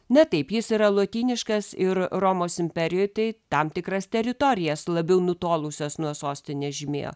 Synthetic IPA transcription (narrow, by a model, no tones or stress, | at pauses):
nʲɐt̪ɐɪpjɪsiːɾɐlˠoːt̪ʲiːnʲɪʃkɐsɪɾroːmoːsɪmʲpʲɛɾʲɪjʊɪt̪ɐɪt̪ɐmt̪ʲɪkɾɐst̪ʲɛɾʲɪt̪oɾʲɪjɛslˠɐbʲɛʊnʊt̪oːlˠʊsʲoːsnuɔsoːsʲt̪ʲɪnʲɛʒʲɪmʲḛːjo̰ː